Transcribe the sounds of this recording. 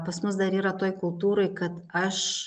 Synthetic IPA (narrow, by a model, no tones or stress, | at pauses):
pɐsmʊsd̪ɐɾiːɾɐt̪oːjkʊlˠt̪uːɾoɪkɐt̪ɐʃ